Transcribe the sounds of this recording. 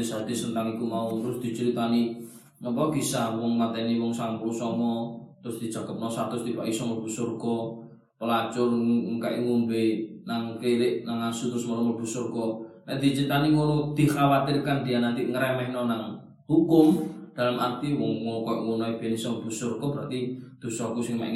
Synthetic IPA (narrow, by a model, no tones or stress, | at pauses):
sad̪̥isənt̪aŋikumaut̪ɾʊsd̪̥i̤t͡ʃəɾit̪ani | ŋɔpɔɡ̥isawɔŋmat̪ɛniwɔŋsaŋpulusɔŋɔt̪ɾʊsd̪̥i̤̥d͡ʒ̥a̤ɡ̥ə̤p̚nɔsart̪ɾʊst̪ipa̰ʔisɔŋob̥ṳsʊrkɔ | pəlat͡ʃʊrŋkaʔḭŋundoinaŋkeɾɪʔnaŋasut̪ɾʊsmɔɾɔmɔlb̥ṳsʊrkɔnad̪̥i̤t͡ʃəɾit̪aniŋoɾud̪̥i̤xawat̪ɪrkand̪̥ijanant̪iŋəɾɛmɛhnɔnaŋ | hukʊmd̥a̤lamʔart̪iwɔŋmɔkɔʔŋunɔib̥enisɔŋb̥ṳsʊrkɔb̥əɾa̰t̪id̪̥o̤sɔkusɪŋma̰ʔḭ